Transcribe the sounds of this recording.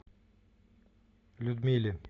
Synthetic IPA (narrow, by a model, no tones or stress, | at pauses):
lʲud̪milʲɪ